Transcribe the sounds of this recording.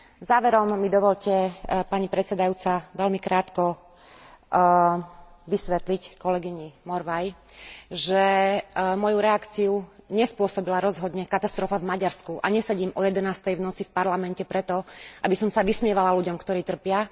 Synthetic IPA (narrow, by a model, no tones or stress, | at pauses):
zaːʋɛɾɔmːid̪ɔʋɔʎcɛpaɲipɾɛt̪t͡sɛd̪ajut͡saʋɛlmikɾʔaːt̪kɔ | ʋisʋɛt̪lickɔlɛɡiɲimɔɾʋaj | ʒɛ | mɔjuɾɛakt͡siuɲɛspʊɔsɔbilaɾɔzɦɔd̪ɲɛkat̪ast̪ɾɔfavmaɟaɾskuʔa̰ɲɛsɛɟiːmɔjɛd̪ɛnaːst̪ɛjʋnɔt͡sifpaɾlamɛncɛpɾɛt̪ɔʔabisɔmsaʋismɪɛʋalaluɟɔmkt̪ɔɾiːt̪r̩pɪa